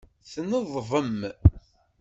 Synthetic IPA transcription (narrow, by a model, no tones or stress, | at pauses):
θnəðˤvəm